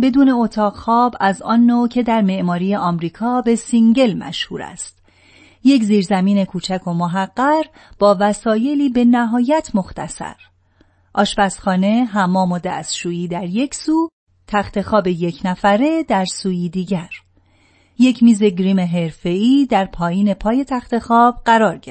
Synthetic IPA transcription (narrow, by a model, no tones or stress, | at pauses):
be̞d̪uːne̞ot̪ʰɒːʁxɒːbæzɒ̰ːnːoːcʰe̞d̪æɾme̞ʔmɒːɾiːjeʔɒːmɾiːkʰɒːbe̞siŋɟe̞lmæ̰ʃhuːɾæ̰st̪ | je̞cziːɾzæmiːne̞kʰuːt͡ʃʰækʰo̞moɦæɢːæɾ | b̥ɒːvæsɒːje̞liːbe̞næɦɒːjæt̪ʰmo̞xt̪ʰæ̰sæ̰ɾ | ʔɒːʃbæsxɒːne̞ɦæmːɒːmo̞d̪æ̰sʃuːjiːd̪æɾje̞cʰsuː | t̪ʰæxt̪ʰe̞xɒːbe̞je̞cʰnæfæɾe̞d̪æɾsuːjiːd̪iːɟæɾ | je̞cʰmiːze̞ɟɾiːme̞ɦe̞ɾfe̞iːd̪æɾpʰɒːjiːne̞pʰɒːje̞t̪ʰæxt̪e̞xɒːb̥̚ɢæɾɒːɾɟe